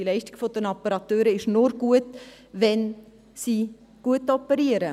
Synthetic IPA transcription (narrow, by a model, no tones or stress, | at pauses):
ilɛɪʃtɪ̥ɡ̥fod̥̪ənɑpːəɾɑt̪øːɾəɪʃnʊɾɡuətʋɛn | siː | ɡ̥uətɔpəɾiəɾə